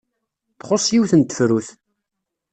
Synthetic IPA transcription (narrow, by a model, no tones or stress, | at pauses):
θχosˤjiwθənt̪ə̥fɾuθ